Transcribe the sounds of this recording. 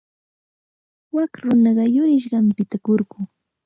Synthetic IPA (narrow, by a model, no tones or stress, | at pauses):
wakɾʊnɑɢɑjʊɾɪʃ̬ɢɑmpɪt̪akoɾɢʊː